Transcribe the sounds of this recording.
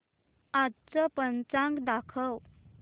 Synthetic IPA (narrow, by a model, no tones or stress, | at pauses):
ad̪t͡səpənt͡sãŋkd̪akʰəw